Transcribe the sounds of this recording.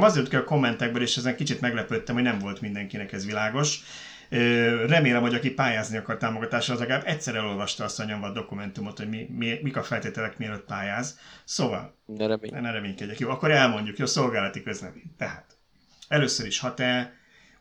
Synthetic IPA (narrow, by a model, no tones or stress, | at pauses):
mɒzeːɾt̪kɛlko̞mːɛnt̪ɛɡ̚bøleːʃɛzɛŋkit͡ʃit̪mɛɡlɛpøt̪ːɛmhonɛɱvo̞lt̪mind̪ɛŋkinɛkɛzʋilaːɡo̞ʃ | øːrɛmeːlɛmho̞ɟɒkipaːjaːzniɒkɒrt̪aːmoɡɒt̪aːʃɒzlɛɡaːbɛcsɛɾɛlo̞lvɒʃt̪ɒɒst̪ɒɲo̞ɱvɒd̪o̞kumɛnt̪umo̞t̪ho̞ɟmimimikɒfɛlt̪eːt̪ɛlɛkmiɛløt̪̚paːjaːzsoːvɒ̰lɛnɛɾɛmeːɲkɛɟːɛkjoːɒkːo̞ɾɛlmo̞ɲɟukjoːso̞lɡaːlɒt̪ikøznɛ̰mt̪ɛɦat̪ | ɛløːsøɾiʃhɒt̪ɛ